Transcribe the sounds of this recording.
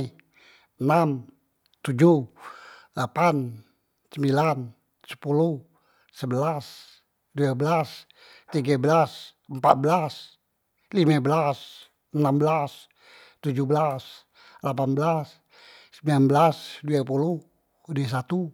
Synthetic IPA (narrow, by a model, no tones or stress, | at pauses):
ənam | t̪ud͡ʒu | lapan | səmbilan | sə̥pulu | səbəlas | duabəlas | t̪iɡabəlasəmpat̪̚bəlas | limabəlas | ənambəlas | t̪ud͡ʒuhbəlas | lapanbəlasː | əmbilanbəlasduapulu | dias̬at̪u